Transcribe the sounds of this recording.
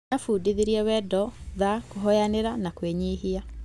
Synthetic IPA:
afudiðiɾiɛwɛdɔðakoɦɔjaneɾanakweɲeɦia

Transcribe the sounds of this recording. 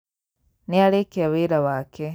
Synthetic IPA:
niaɾekeaβeɾaβaːke

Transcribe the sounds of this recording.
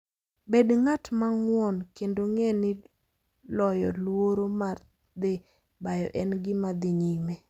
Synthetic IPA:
bedŋatmaŋwɔnkendoŋɛnɪ | lɔjɔlwoɾomar | d̪ɪ | bajɔ̰ʔɛnɡɪmad̪ɪɲime

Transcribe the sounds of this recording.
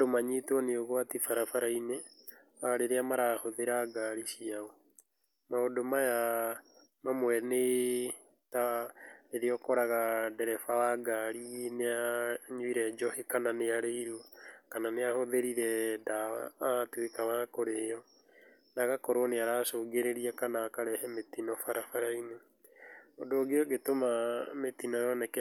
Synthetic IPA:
domaɲetwɔneoɣoatifaɾafaɾaine | aɾeɾeamaɾahoðeɾaɡaɾisiaɔ | maodomaja | mamwɛne | taɾeɾeɔkɔɾaɣadɛɾɛfawaɡaɾineaɲuiɾɛd͡ʒɔhekananeaɾeiɾwuakananeahoðeɾiɾɛdaa̰ːtwekawakoɾejɔ | naɣakɔɾoneaɾasoːɡeɾeɾiakanaːkaɾɛhɛmetinɔfaɾafaɾaine | odoːɡeɔɡetomametinɔjɔnɛkɛ

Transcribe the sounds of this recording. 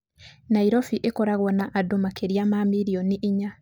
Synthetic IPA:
naiɾɔfiʔekɔɾaɣɔnaʔadomakeɾiamamiɾiɔniʔiɲa

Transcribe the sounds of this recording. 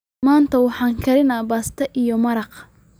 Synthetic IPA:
maːnt̪ʰɐwɑħɑːŋkʰɐɾɪnabaːst̪ʰɐʔijɔmɐɾɑq

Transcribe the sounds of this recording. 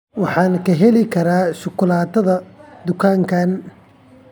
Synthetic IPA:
wɑħɑːnɐkʰɐɦɛlɪkʰɐɾaːʃʊkʰʊlaːt̪ɐðɐd̪ʊkʰaːŋkʰan

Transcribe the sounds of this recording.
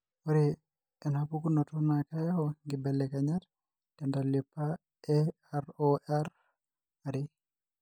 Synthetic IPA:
waɾi | ɛnhapukunɔtunakajahɔŋɡibɛlːɛkaɲaɾ | tɛndalipːa | ɛ | aɾɔʔɛɾ | aɾi

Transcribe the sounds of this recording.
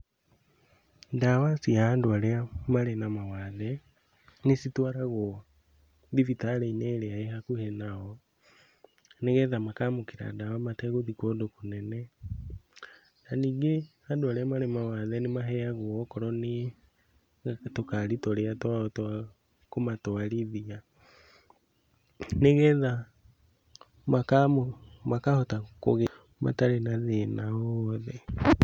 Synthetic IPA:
dawasiaːndoaɾeamaɾenamawaðɛ | nesitwaɾaɣwɔ | ðivitaɾeineːɾeaehakuhenaɣɔ | neɣɛðamakamokiɾa̰dawamatɛɣoðikodokonɛnɛ | naniːŋɡehadoaɾeamaɾemawaðɛnemaɦɛaɣwɔkɔɾɔne | tokaɾitɔɾeatat | komatwaliðia | neɣɛða | makamomakahotako̰ɣe | ma̰taɾenaðenaɔɔðɛ

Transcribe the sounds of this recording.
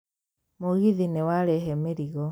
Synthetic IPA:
moɣiðinewaɾɛɦɛmeɾiɣɔ

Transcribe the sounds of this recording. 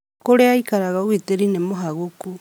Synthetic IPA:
koɾeaikaɾaɣaoɣwiteɾinemoɦaɣoku

